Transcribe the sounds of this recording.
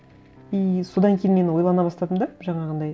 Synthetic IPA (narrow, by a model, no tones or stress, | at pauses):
ijso̞d̪ɑŋkʲʰejnme̞nwo̞jlˠɑnɑbɑst̪ɑd̪əmd̪ɑʒɑɴɑʁənd̪ɑj